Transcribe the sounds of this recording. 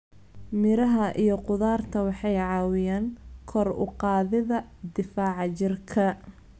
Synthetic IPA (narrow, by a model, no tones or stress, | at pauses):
mɪɾɐɦɐʔijɞqʊðaːrt̪ʰɐwɑħɑjʕɑːwɪjaːŋkʰɔrʊ̰qɑːðɪðɐd̪ɪfaːʕɑt͡ʃɪrkʰɐ